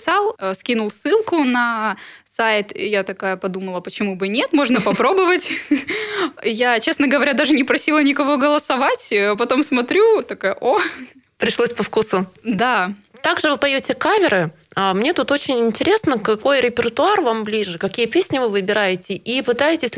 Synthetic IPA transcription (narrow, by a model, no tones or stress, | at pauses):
salˠskʲinʊlˠsɨlˠkʊnɐ | sajɪt̪jat̪ɐkajəpɐd̪uməlˠəpət͡ɕɪmubɨnʲe̞t̪mo̞ʐnəpɐpɾo̞bəvətʲ | jat͡ɕe̞snəɡəvɐɾʲad̪aʐɨnʲɪpɾɐsʲilˠənʲɪkɐvo̞ɡəlˠəsɐvatʲːpɐt̪o̞msmɐt̪ɾʲut̪ɐkajəʔo | pɾʲɪʂlˠosʲpɐfkusʊd̪at̪aɡʐɨvɨpɐjotʲɪkamʲɪɾɨ | amnʲe̞t̪ut̪o̞t͡ɕɪnʲɪnʲtʲɪɾʲe̞snəkɐko̞jɾʲɪpʲɪrt̪ʊarvamblʲiʐɨkɐkʲijəpʲesʲnʲɪvɨvɨbʲɪɾajɪtʲɪʔipɨt̪ajɪtʲɪsʲ